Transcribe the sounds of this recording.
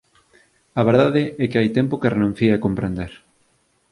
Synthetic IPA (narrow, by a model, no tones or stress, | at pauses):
ɐβeɾðaðɪɛkɪajt̪ɛmpokerenũn̟θieakompɾend̪eɾ